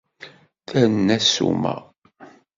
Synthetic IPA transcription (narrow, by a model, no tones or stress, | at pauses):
θænːæsṵmæ̰